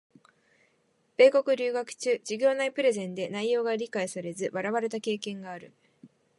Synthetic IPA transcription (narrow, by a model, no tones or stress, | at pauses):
b̥e̞ːko̞kɯ̟ɾʲɨːɡakɯ̟̥t͡ɕɨːd͡ʑɨɡʲo̞ːnaipɯ̟ɾe̞zẽ̞nd̪e̞naijo̞ːɡaɾʲikaisaɾe̞zɨβaɾaβaɾe̞t̪ake̞ːkẽ̞ŋɡaːɾɯ̟